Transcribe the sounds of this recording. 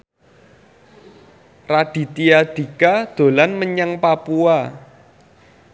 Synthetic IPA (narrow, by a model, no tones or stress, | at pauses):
raɖ̥i̤t̪iad̪̥i̤kad̪̥o̤lanməɲaŋpapua